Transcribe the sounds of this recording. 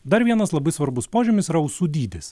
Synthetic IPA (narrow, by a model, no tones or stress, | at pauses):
d̪ɐɾʋʲiɛnɐslˠɐbɐɪsʋɐɾbʊspoːʒʲʊmʲɪsiɾɐʊsuːd̪ʲiːd̪ʲɪs